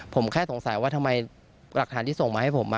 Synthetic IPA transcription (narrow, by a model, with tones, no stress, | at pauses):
pʰo˩˦mkʰɛː˥˩so˩˦ŋsa˨˩˦jwaː˥˩t̪ʰa˧mːa˧j | la˨˩t̪ʰaː˩˦nt̪ʰi˥˩so˨˩ŋmaː˧ha˥˩pʰo˩˦mːa˦˥